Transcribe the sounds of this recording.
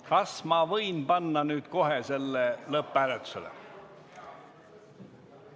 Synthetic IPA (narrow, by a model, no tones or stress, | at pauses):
kɑsmɑvɤjnpɑnːɑnyːd̪̥ko̞ɦe̞se̞lːelɤpːˑælet̪ːu̥selḛ